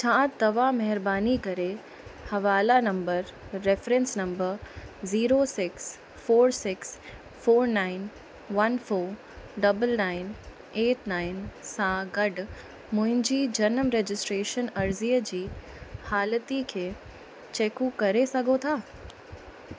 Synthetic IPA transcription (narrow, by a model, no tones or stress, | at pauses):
t͡ɕʰãːt̪ɐʋamɐɦɪɾbaːnikɐɾe | hɐʋaːlanɐ̃mbəɾːefɾɛ̃nsnɐ̃mbəɾziːɾosɪks | foːɾsɪks | foːɾnaːɪn | ʋɐnfoːɾ | ɖɐbəlnaːɪn | eːʈnaːɪnsãɡɐɖ | mʊ̃ɦɪ̃ɲd͡ʑiːd͡ʑɐnəmɾeːd͡ʑɪsʈɾeːʃənɐɾziːəd͡ʑiː | haːlət̪ikʰeː | t͡ɕeːkukɐɾesɐɡʱot̪ʰaː